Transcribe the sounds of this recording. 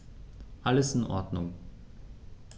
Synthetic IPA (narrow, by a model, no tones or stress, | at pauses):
ʔaləsɪnʔɔ̰ɐdnʊŋ